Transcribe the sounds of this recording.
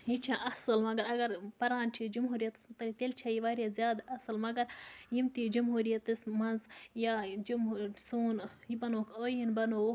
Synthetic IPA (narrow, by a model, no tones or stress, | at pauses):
jit͡ʃʰaʔɐsɐlmɐɡɐɾɐɡɐɾpɐɾaːnt͡ʃʰid͡ʒumɦuːɾijɐt̪ɐ̥smut̪ɐlit̪elt͡ʃʰajiʋaːɾjazjaːd̪ɐsɐlmɐɡɐɾjimt̪id͡ʒumɦuːɾijɐt̪ɨsmɐnzjaːd͡ʒumusuːnjibɐnoːkoːjinbɐno